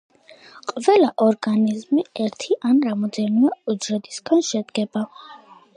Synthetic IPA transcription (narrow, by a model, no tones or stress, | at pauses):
qʼvɛlaʔɔɾɡanizmiɛɾt̪ʰiʔanɾamɔd̪ɛniaud͡ʒɾɛd̪isɡanʃɛd̪ɡɛba